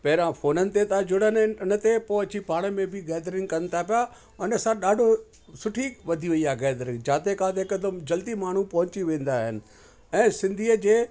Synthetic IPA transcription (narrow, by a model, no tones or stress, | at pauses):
pɐɦɾãfʰoːnənɪ̆t̪et̪ad͡ʑʊɽ̤ənʊnət̪epoːɐt͡ɕipaːɽ̃mẽbʱɪɡɛːd̪ɾɪ̃ŋkɐnɪ̆t̪ʰapija | ʊnɐsãɗaːɖʱo | sʊʈʰiʋɐd̪ʱiʋɐiaɡɛːd̪ɾɪ̃ŋd͡ʑaːt̪ekãt̪ekəd̪əmd͡ʑɐld̪imaːɳ̤upɐɦʊ̃ɲt͡ɕiʋẽːn̆d̪aːɦɪnɪ̆ | ɛ̃ːsɪ̃nd̪ʱid͡ʑeː